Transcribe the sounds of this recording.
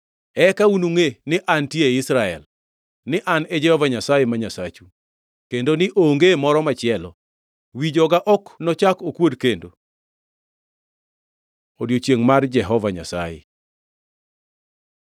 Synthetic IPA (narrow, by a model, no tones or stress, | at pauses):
ɛkaunuŋenɪʔantjeeɪsɾaɛ̰l | nɪʔanɛd͡ʒɛhɔvaɲasajemaɲasat͡ʃu | kendonɪʔoŋɡemɔɾɔmat͡ʃɪɛlɔ̰ | wid͡ʒɔɡaʔɔknɔt͡ʃakokwodkendo | odjot͡ʃjeŋmard͡ʒɛɦɔvaɲa̰sa̰jḛ